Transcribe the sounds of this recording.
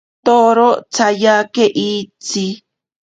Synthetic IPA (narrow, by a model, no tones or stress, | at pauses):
t̪oɾot͡sajakeʔit͡si